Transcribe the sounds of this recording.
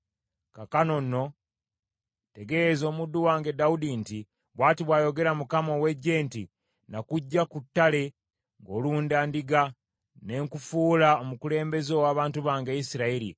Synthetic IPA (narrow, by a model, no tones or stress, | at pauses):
kakano̞nːo̞ | te̞ɡe̞zo̞ːmudːuwaːŋɡe̞daudinti | βwaːtiβwaːjo̞ɡe̞ɾamukamo̞we̞ɟːe̞ːnti | nakuɟːakutːale̞ | ŋɡo̞ːluːndaːndiɡa | ne̞ŋkufuːlaomukule̞ːmbe̞zowaːβaːntuβaːŋɡeisiɾaiɾḭ